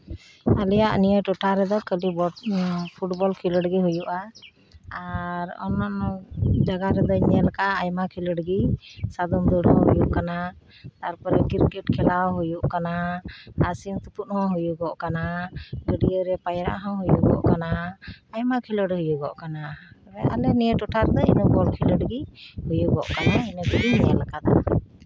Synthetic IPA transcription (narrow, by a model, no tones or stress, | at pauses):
alɛjaʔnijəʈɔʈaɾɛd̪ɔkəlibɔpʰuʈbɔlkʰiləɽɡiɦujuʔa | aɾɔ̰nːɔʔd͡ʒaɡaɾɛd̪ɔɲɲɛlkaːjmakʰiləɖɡisad̪umd̪uɽɦɔ̃ɦujuʔkana | t̪aɾpɔɾɛkiɾkɛʈkʰɛlawɦujuʔkanaasimt̪uput̪hɔ̃ɦujuɡɔʔkanaɡəɖijəɾɛpajɾa̰ʔɦɔ̃ɦujuɡɔ̰ʔkanaːjmakʰiləɖhujuɡɔ̰ʔkanaɛa̰lɛnijəʈɔʈʰaɾd̪ɔḭnɔbɔlkʰiləɖɡihujuɡɔʔkanainəɡəɡiɲɛlkad̪ɔ